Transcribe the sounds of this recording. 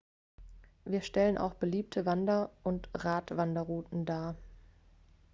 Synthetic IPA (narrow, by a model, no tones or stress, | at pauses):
viːɐʃtɛlənʔa̰ʊxb̥əliːp̚tʰəvandɐʔʊntʁaːtv̥andɐʁuːtn̩daː